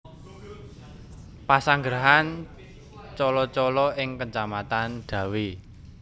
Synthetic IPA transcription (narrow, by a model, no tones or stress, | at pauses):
pasaŋɡɾaɦan | t͡ʃɔlɔt͡ʃɔlɔɪŋkəɲt͡ʃamat̪anɖ̪̥ä̤wi